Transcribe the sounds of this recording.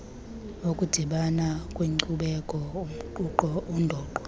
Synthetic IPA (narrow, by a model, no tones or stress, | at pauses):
okʼud̥ʱiɓanakʼwiŋǀuɓɛkʼɔum̩ǃuǃɔundʱɔːǃɔ